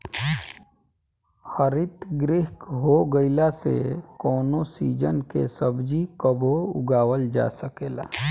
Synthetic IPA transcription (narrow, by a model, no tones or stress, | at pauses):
xəɾɪt̪ɡɾɪɦkɦoɡəɪlasḛkɔːnosiːd͡ʒənkḛsəbd͡ʒikəboʊ̰ɡaːwəld͡ʒa̰ːsəkeːla̰ː